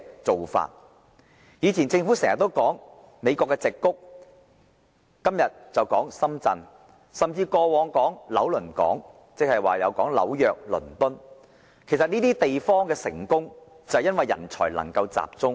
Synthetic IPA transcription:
t͡so˨wfa̰ː˨t̚ | jiː˨˧t͡sʰiː˨˩nt͡sɪ˧ŋfu˨˥sɛ˨˩ŋɐ˨t̪ːo˥wkɔː˨˥ŋ | me˨˧jkɔː˧kːɛː˧t͡sɪ˨kːʊ˥k̚ | ɐ˥mjɐ˨t̚t͡sɐ˨wkɔː˨˥ŋsɐ˥mt͡sɐ̰˧n | sɐ˨˩mt͡siː˧kɔː˧wɔː˨˧ŋkɔː˨˥ŋlɐ˨˥wlɵ˨˩nkɔ̰ː˨˥ŋ | t͡sɪ˨k̚hɐ˨jwaː˨jɐ̰˨˧wkɔː˨˥ŋlɐ̰˨˥wjœː˨k̚lɵ̰˨˩nt̪ʊ˥n | kʰe˨˩js̬ɐ˨t̚niː˥t̪iː˥t̪e˨jfɔː˥ŋkɛː˧sɪ̰˨˩ŋkʊ˥ŋ | t͡sɐ˨jɐ˥nwɐ˨jːɐ̰˨˩nt͡sʰɔ̰ː˨˩jlɐ̰˨˩ŋkɐ˧wt͡sa̰ː˨p̚t͡sʊ˥ŋ

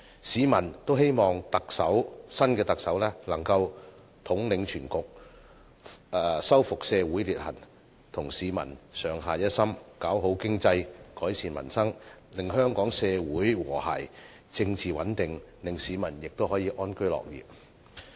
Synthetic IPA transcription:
siː˨˥mɐ˨˩nt̪o˥whe˥jmɔː˨ŋt̪ɐ˨k̚sɐ˨˥wsɐ˥nkɛː˧t̪ɐ˨k̚sɐ˨˥wlɛː˥lɐ˨˩ŋkɐ˧w | t̪ʰʊ˨˥ŋlɪ˨˧ŋt͡ʃʰyː˨˩nkʊ˨k̚ | ɛː˨sɐ˥wfʊ˨k̚sɛː˧wu˨˥jliː˨t̚hɐ̰˨˩n | t̪ʰʊ˨˩ŋsiː˨˧mɐ̰˨˩nsœː˨˧ŋɦaː˨jɐ˥t̚sɐ˥mkaː˨˥wɦo˨˥wkɪ˥ŋt͡sɐ˧jkɔː˨˥jsiː˨˧nmɐ̰˨˩nsɐ˥ŋlɪ˨ŋhœː˥ŋkɔː˨˥ŋsɛː˧wuː˨˥jwɔ̰ː˨˩ha̰˨˩j | t͡sɪ˧ŋt͡siː˨wɐ̰˨˥nt̪ɪ˨ŋlɪ˨ŋsiː˨˧mɐ˨˩njɪ˨k̚t̪o˥whɔː˨˥jiː˨˧ʔɔː˥nkɵ˥ɥlɔ̰ː˨k̚jḭː˨p̚

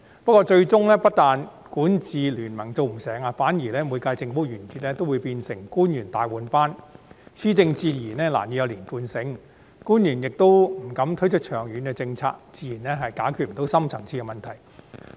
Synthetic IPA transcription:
pɐ˥kɔː˧t͡ʃɵ˧ɥt͡sʊ˥ŋlɛː˥pɐ˥t̚t̪aː˨˧n | kuː˨˥nt͡siː˨lyː˨˩nmɐ˨˩ŋt͡so˧wm̩˨˩sɛː˨˥ŋa˧faː˨˥njiː˨˩lɛː˥muː˨˧jkaː˧jt͡sɪ˨˧ŋfo˥jyː˨˩nkʰyː˨t̚lɛː˥t̪o˥wuː˨˧jpiː˧nsɪ˨˩ŋkuː˥njyː˨˩nt̪aː˨jwuː˨˧npaː˥nsʰiː˥t͡sɪ˧ŋt͡siː˧jiː˨˩nɛː˥la̰ː˨˩njy˨˧jɐ˨˧liː˨˩nfuː˧nsɪ˨˥ŋ | kuː˥njyː˨˩njɪ˨k̚t̪o˥wm̩˨˩kɐ˨˧˥mt̪ʰɵ˥jt͡sʰɵ˥k̚t͡ʃʰœː˨˩ŋjyː˨˥nkɛ˧t͡sɪ˧ŋt͡sʰa̰ː˧k̚t͡siː˨˧jiː˨˩nɛː˥ɦɐ˨jkaː˨˥jkʰy˨˧t̚m̩˨˩t̪o˨˥wsɐ˥mt͡sʰɐ˨˩ŋt͡sʰiː˧kɛ˧mɐ˨nt̪ʰɐ˨˩j

